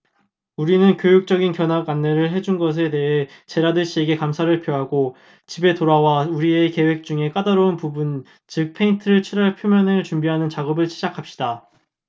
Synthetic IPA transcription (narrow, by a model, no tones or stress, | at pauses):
uɾinɯnkjojuk̚t͡ɕ͈ʌɡinkjʌnɦaɡanːe̞ɾɯɭɦe̞d͡ʑunɡʌs̬ʰe̞te̞ɦe̞t͡ɕe̞ɾadɯɕʰieɡe̞kamsʰaɾɯɭpʰjoɦaɡo | t͡ɕibe̞toɾawauɾieke̞we̞k̚t͡ɕ͈uŋe̞k͈adaɾounpubun | t͡ɕɯk̚pʰe̞intʰɯɾɯɭt͡ɕʰiɾaɭpʰjomjʌneɭt͡ɕumbiɦanɯnt͡ɕaɡʌbɯɭɕʰid͡ʑakʰap̚ɕ͈ida